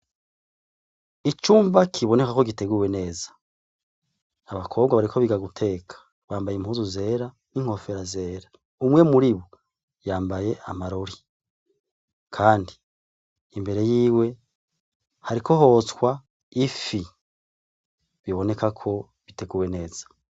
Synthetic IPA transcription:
it͡ʃuːmbakʰiβo̞ne̞kako̞ɡiteɡuwe̞ne̞ːzḁ | aβakʰo̞βɡwaβaɾikʰoβiɡaɡutʰe̞kʰḁ | βaːmbajimhuːzuze̞ːɾa | niŋ̥ho̞fe̞ɾaze̞ːɾa | umŋe̞muɾiβo | jaːmbaje̞ʔa̰maɾo̞ɾi | kʰaːndiː | mbe̞ɾe̞jiːwe̞ | haɾikʰo̞ɦo̞t͡swa | ifi | βiβo̞ne̞kakʰo̞ | βite̞ɡuːwe̞ne̞ːz̥ḁ

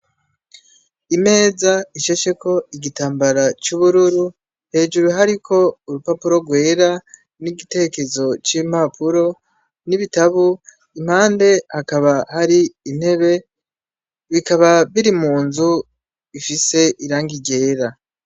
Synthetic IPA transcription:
ime̞ːzaiʃeʃe̞ko̞iɡitaːmbaɾat͡ʃuβuɾuɾu | he̞ːd͡ʒuɾuɦaɾikʰo̞uɾupapuɾo̞ɡwe̞ːɾa | niɡite̞eke̞zo̞t͡ʃim̥apʰuɾo̞ | niβitaβu | im̥haːnde̞hakaβahaɾiːn̥he̞βe̞ | βikaβaβiɾimuːnzu | ifise̞ʔiɾaːŋɡiɟe̞ːɾa

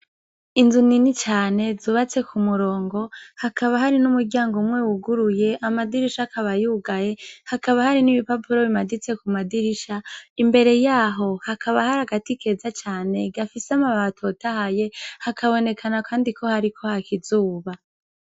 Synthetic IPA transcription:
inzuninit͡ʃaːne̞zuːβat͡se̞kʰumuɾo̞ːŋɡo̞hakʰaβaɦaɾinumuɡɟaːŋɡomŋe̞wuɡuɾuje̞ʔamadiɾiʃakʰaβajuːɡaje̞hakaβahaɾinimipapuɾoβimadit͡se̞kumadiɾiʃaimbe̞ɾe̞jaːɦo̞hakʰaβahaɾaɡatike̞zat͡ʃaːne̞ɡafiseamaβatʰo̞tahaje̞hakʰaβo̞ne̞kʰanakʰaːndikʰo̞haɾikʰo̞hakizuːβa

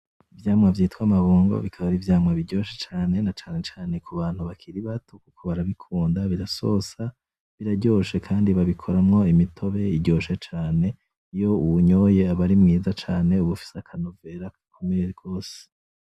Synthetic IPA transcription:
ivjaːmŋavjiːtkwamaβuːŋɡo̰βikʰaβaɾivjaːmŋaβiɟo̞ʃet͡ʃaːne̞nat͡ʃaːnet͡ʃaːne̞kʰuβaːn̥huβakʰiɾiβatʰokukʰo̞βaɾaβikʰuːndaβiɾaso̞sa | βiɾaɟo̞ːʃe̞kʰaːndiβaβikʰo̞ɾamŋo̞imitʰo̞βe̞iɟo̞ːʃe̞t͡ʃaːne̞ | ijo̞uuɲo̞je̞aβaɾimŋiːzat͡ʃaːne̞uβufi̥seakʰanove̞ɾakkʰumiɾeɾɡo̞ːse̥

